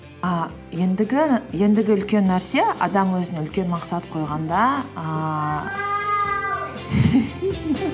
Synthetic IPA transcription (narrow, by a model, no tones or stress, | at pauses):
ə | je̞nd̪ɪɡʲɪje̞nd̪ɪɡʲɪʏlkʲe̞nːæɾse̞ɑ̰d̪ɑmwɵzɪneʏlkʲe̞nmɑqsɑt̪qʰo̞jʁɑnd̪ɑə